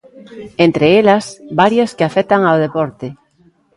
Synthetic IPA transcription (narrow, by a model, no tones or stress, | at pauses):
ent̪ɾeelasbaɾjaskeafet̪aŋawð̞epɔɾt̪e